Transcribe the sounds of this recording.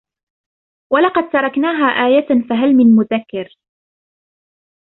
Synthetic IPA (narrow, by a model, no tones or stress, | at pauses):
walɑqɑd̪̚t̪ɑɾˤɑknaːɦaːʔaːjafaɦalmɪnmʊðakːɪɾ